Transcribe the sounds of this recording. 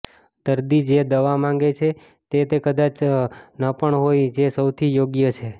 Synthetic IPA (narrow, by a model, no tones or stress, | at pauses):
d̪̥əɾd̪id͡ʒed̪əʋamãŋɡet͡ʃʰe | t̪et̪ekəd̪at͡ʃnəpəɳɦojd͡ʒesəwt̪ʰijoɡjət͡ʃʰe